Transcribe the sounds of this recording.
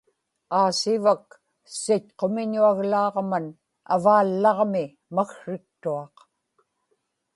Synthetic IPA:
aːsɪvak̚ | sɪtqo̞mɪɲuaɣlɑːʁman | a̰vaːlːɑʁmɪ | maxʂɪk̚t̪uɑq

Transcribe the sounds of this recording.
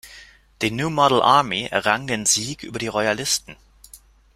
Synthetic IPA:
d̥iːnjuːmɔɾl̩ʔaɐmiʔɛ̰ɐʁaŋdeːnziːkʔy̰ːbɐɾiːʁɔʏalɪstn̩

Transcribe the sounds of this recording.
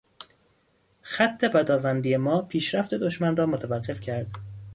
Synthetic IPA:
xæt̪ʰːe̞pæd̪ɒːvænd̪ijemɒːpʰiːʃɾæft̪ʰe̞d̪oʃmænrɒːmot̪ʰævæɢːe̞fcʰæɾd̪̥

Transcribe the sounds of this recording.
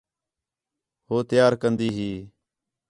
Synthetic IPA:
hoːt̪jaːɾkənd̪iːɦiː

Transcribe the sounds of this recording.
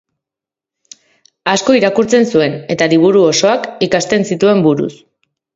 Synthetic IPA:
asko̞iɾakuɾt͡se̞nsue̞ne̞t̪aliβ̞uɾuoso̞akikast̪e̞nsit̪ue̞mbuɾṵs

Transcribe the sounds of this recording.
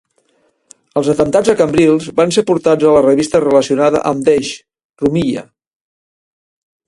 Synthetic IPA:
əlˠzət̪ənt̪ad͡zəkəmbɾilˠzbansepuɾt̪ad͡zələrəβist̪ərələsiunaðə̰ʔəmd̪eʃ | rumiʎə̰

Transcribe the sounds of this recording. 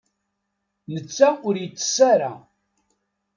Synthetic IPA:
nət͡sːaʊɾjət͡sːə̥sːaɾa̰

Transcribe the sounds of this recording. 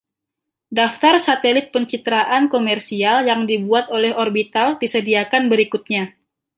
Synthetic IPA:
daft̪arsat̪ɛlɪt̪̚pəɲt͡ʃit̪ɾaʔankomɛrsialjaŋdibuat̪olɛɦorbit̪aldisədiakanbəɾikut̪̚ɲa

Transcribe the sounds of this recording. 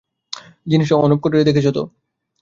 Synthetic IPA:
d͡ʑiniʃoɔnop̚koʈiɾed̪ekʰet͡ɕʰot̪o̰

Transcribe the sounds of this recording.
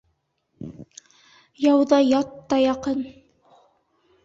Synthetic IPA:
jɑwðɑjɑt̪ːɑjɑqɤn

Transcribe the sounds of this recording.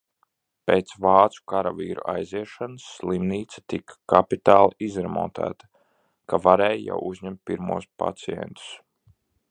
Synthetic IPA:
peːt̪svɑːt̪su̥kaɾavḭːɾṵʔajziɛʃanəsːlˠimniːt̪sḁt̪ikḁkapit̪aːlˠizɾɛmɔ̰ːt̪æ̰ːt̪ḁ | kavaɾɛːjja̰wuzʲɲɛmt̪̚piɾmuɔspa̰t̪siɛ̰nt̪u̥s

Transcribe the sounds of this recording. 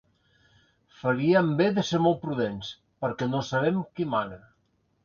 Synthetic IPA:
fəɾiəmbeðəseɾmolˠt̪̚pɾuðens | pəɾkɛnosaβɛmkimanə

